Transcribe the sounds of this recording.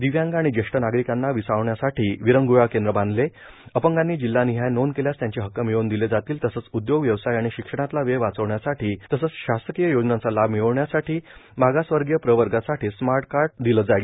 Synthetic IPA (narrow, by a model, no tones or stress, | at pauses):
d̪iʋjãŋɡaɽ̃id͡ʑeʂʈənaɡɾikanːaʋisaʋɳjasaʈʰiːʋiɾəŋɡujakend̪ɾəbãnd̪le | əpəŋɡanːiːd͡ʑilːaniɦajnonkeljast̪jãɲt͡ɕeɦəkːəmiɭond̪iled͡zat̪iːlt̪əsəːt͡sud̪joɡʋjəʋsajaɽ̃iɕikʂəɽ̃at̪laʋeʋat͡səʋɳjasaʈʰiːt̪əsəːt͡sɕast̪əkijəjod͡ʑnat͡salabmiɭɳjasaʈʰiːmaɡasʋəɾɡjəpɾəʋəɾɡasaʈʰiːsmaɾʈkaɾʈd̪iləd͡zaɭi